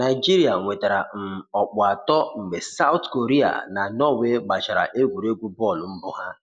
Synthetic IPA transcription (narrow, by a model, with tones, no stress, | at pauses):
na˨ɪ˨d͡ʒi˦ɾi˨a˨ŋʷe˨ta˨ɾa˨n̩˨ɔ˨k͡pʊ˨a˨tɔ˦ŋ͡m̩˨ɡ͡be˨sa˦ʊ˦tko˨ɾi˦a̰˨na˨nɔ˦we˦ɡ͡ba˨t͡ʃa˨ɾa̰˨ʔe˦ɡʷu˨ɾe˦ɡʷu˦bɔ˦˨lm̩˦bʊ˦ɦa˦